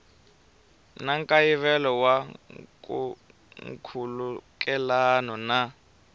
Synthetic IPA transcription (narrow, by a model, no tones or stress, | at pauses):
naŋkʼajiβɛlɔwaku | ŋkʰuluk̬ʼɛlanɔna